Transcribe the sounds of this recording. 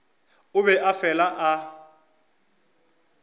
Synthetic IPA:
ʊβɛʔafɛlaʔa

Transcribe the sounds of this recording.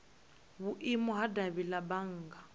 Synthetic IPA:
βuʔimɔɦadaβilabaŋ̩ːɡa

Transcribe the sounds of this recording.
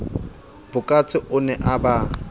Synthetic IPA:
b̥ʊkʼat͡sʰʼɪʔʊnɛʔaba

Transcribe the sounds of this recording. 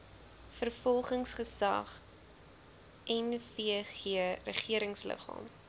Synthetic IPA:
fərfɔlˠχəŋsχəsɐ̰χ | ʔɛnfiəχiərəχiəɾəŋslə̰χɑ̰ːm

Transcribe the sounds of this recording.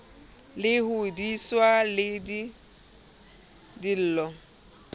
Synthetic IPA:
lɪhudiswalɪdi | dil̩ːlɔ

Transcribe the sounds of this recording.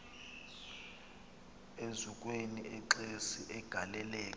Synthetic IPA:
ezuk̬ʼweniɛǃesiʔɛɡ̥ʱalɛlɛːkʼ

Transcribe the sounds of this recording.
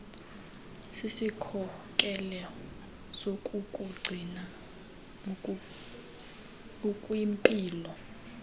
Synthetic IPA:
sisikʰɔkʼɛlɛ | sokʼukʼuɡ͡ǀʱina | ukʼwimpʼiːlɔ

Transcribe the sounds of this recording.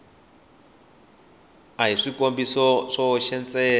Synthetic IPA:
aɦiʂikombisɔʂɔʃɛnt͡sʼɛː

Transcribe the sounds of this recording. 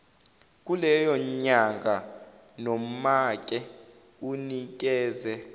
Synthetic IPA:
k̬ʼulɛjɔɲaŋɡʱa | nom̩mak̬ʼɛ | unik̬ʼɛːzɛ

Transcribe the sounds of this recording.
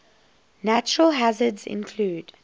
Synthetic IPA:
næt͡ʃəɹəlɦazədzɪ̰̃nkʰluːd̥

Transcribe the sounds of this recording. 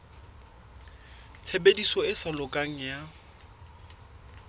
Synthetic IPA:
t͡sʰebedisɔɪsalʊkʼaŋ̩ja

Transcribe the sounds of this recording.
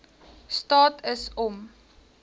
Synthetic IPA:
stɑːtʰəsɔm

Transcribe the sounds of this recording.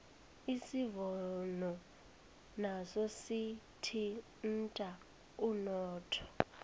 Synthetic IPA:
isivɔnɔ | nasɔsi | tʰi | n̩tʼa | unɔːtʰɔ̥

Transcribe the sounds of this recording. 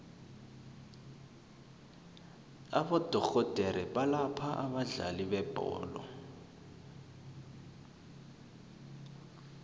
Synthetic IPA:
aɓɔd̥ʱɔɣɔd̥ʱɛɾɛɓalapʰaʔaɓaɮa̰liɓɛb̥ʱɔ̰ːlɔ̰

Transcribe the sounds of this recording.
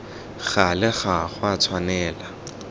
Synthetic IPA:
ɣalɪχaχwat͡sʰwanɛːla

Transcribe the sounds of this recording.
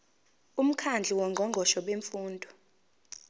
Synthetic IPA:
um̩kʰand͡ɮʱiwɔŋɡʱɔŋʱɔʃɔɓeɱfuːndʱɔ̥

